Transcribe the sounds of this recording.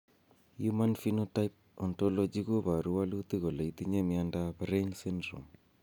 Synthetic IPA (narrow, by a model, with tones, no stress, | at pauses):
juma˦nfinotajp̚ | ɔ˨nto˦lɔ˦d͡ʒi˦ko˦βa˨ɾu˦wa˦lut̪i˦ɣo˨la˨i˦t̪i˦ɲe˦miandabɾensi˦ndɾo̰m